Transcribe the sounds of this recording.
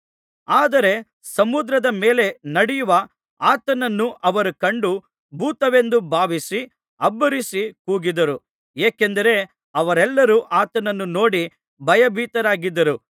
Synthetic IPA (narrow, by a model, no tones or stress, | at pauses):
aːd̪ɐɾe̞ | sɐmud̪ɾɐd̪ɐmeːle̞nɐɽijuʋɐ | aːt̪ɐnɐnːuʔɐʋɐɾukɐɳɖu | bʱuːt̪ɐʋe̞nd̪ubʱaːʋisi | ɐbːɐɾisikuːɡid̪ɐɾu | eːkend̪ɐɾe̞ | ɐʋɐɾɛlːɐɾuʔaːt̪ɐnɐnːuno̞ːɽi | bʱɐjɐbʱiːt̪ɐɾaːɡid̪ːɐɾu